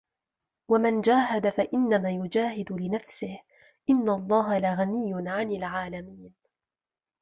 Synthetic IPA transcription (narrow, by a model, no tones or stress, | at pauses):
wamand͡ʒaːɦad̪afaʔɪnːamaːjʊd͡ʒaːhɪd̪lɪnafsɪh | ʔɪnːaʔlˤːɑːɦalaɣanɪjːʊnʕanɪlʕaːlamiːn